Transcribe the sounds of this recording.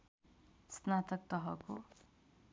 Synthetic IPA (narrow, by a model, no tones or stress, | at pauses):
snat̪ʌk̚t̪ʌɦʌko